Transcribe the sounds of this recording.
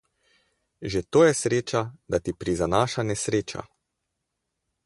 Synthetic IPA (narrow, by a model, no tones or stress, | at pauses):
ʒet̪oːjɛsɾeːt͡ʃad̪at̪ipɾizanaːʃanɛsɾeːt͡ʃa̰